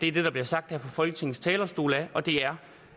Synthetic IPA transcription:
d̥eæɐd̥e̝ɾ̥ɑ̈b̥liɐsɑ̈ɡ̥̚d̥hæɐpʰɒ̽fɒlɡ̥ət͡sʰe̝ŋn̩st͡sʰɛːlɐsd̥o̝̰ːlæʔɒ̽d̥e̝æɐ

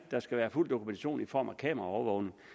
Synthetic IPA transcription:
d̥ɑ̈sɡ̥æʋæːɐful̰d̥o̝kʰument͡sʰæɕo̝̰ːnifɒ̰ːmækʰɛ̰ːmɐʁɐɒʊɐʋɔʊne̝ŋ

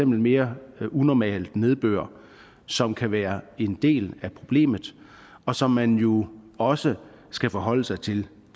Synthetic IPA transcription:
emb̥l̩me̝ːɐunɒmɛ̰ːld̥ne̝ðˠb̥ø̰ːɐ̰ | sɒ̽mkʰæʋæːɐe̝nd̥e̝̰ːlæpʰʁo̝b̥le̝̰ːmð̩ˠ | ɒ̽sɒ̽mːænjo̝ɒ̽sə | sɡ̥æfɒɦɒ̽l̰əsɑ̈ɪt͡sʰe̝l

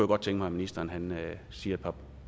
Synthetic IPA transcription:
joɡɒ̽d̥̚t͡sʰeŋɡ̥əmɑ̈ɪminisd̥ɐnɦæn | siːɐæd̥̚pʰɑ̈

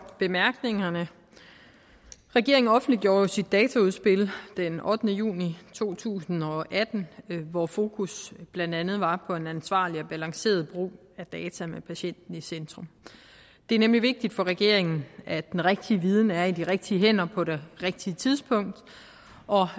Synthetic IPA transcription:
b̥e̝mæɐɡ̥ne̝ŋɐnə | ʁɛɡ̥e̝ɐe̝ŋnɒ̽fn̩d̥liɡ̥jo̝ːɐjo̝sid̥ːɛːt͡sʰæuð̞ˠsb̥e̝ld̥enʔɒ̽d̥ənəjṵːnit͡sʰo̝̰ːt͡sʰṵːsn̩ɒ̽ʔæd̥n̩ʋɒfo̝ːkʰusb̥lænd̥ænð̞̩ˠʋɑ̈pʰɒ̽e̝nænsʋɑ̈ːliɒ̽b̥ælɑ̈ŋse̝̰ːɐð̞ˠb̥ʁṵː | æd̥ɛːt͡sʰæmepʰæɕen̰d̥n̩isend̥ʁɔm | d̥e̝æɐnemliʋe̝ɡ̥̚d̥id̥fɒ̽ʁɛɡ̥e̝ɐe̝ŋn̩æd̥enʁeɡ̥̚d̥iəʋiːð̞ˠn̩æɐid̥iʁeɡ̥̚d̥iəɦen̰ɐpʰɒ̽ɾe̝ʁeɡ̥̚d̥iət͡sʰiðˠspʰɔ̽ŋ̰d̥ | ɒ̽

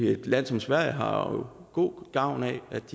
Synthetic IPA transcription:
ed̥læn̰sɒ̽msʋæɐ̰jəɦɑ̈jo̝ɡ̥o̝̰ːɡ̥ɑ̈ʊ̰nɛæd̥d̥i

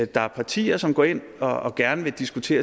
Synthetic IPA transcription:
d̥ɑ̈æɐpʰɑ̈t͡sʰḭːɐsɒ̽mɡ̥ɒ̰e̝n̰ | ɒ̽ːɡ̥æɐnəʋe̝d̥isɡ̥ut͡sʰe̝̰ːɐ

